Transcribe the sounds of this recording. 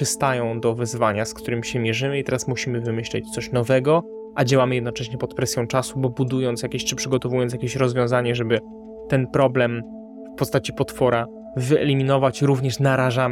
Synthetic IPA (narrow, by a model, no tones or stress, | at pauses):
ɨst̪ajɔ̃w̃d̪ɔvɛzvaɲaskt̪uɾɘmʲiɕɛmʲjɛʐɘmɘit̪ɛɾasmuɕimɘvɘmɘɕlɛ̰t͡ɕt̪sɔɕnɔvɛɡɔ | ʔad͡ʑawamɘjɛd̪nɔt͡ʂɛɕɲɛpɔt̪pɾɛsʲjɔ̃w̃t͡ʂasubɔbud̪ujɔnt̪sjakʲeɕt͡ʂɘpʂɘɡɔt̪ɔvujɔnt̪jakʲeɕɾɔzvʲjɔ̃w̃zaɲɛʐɛbɘ | t̪ɛnpɾɔblɛm | fpɔst̪at͡ɕipɔt̪fɔɾa | vɘɛ̰lʲimʲinɔvat͡ɕɾuvɲɛʂnaɾaʐam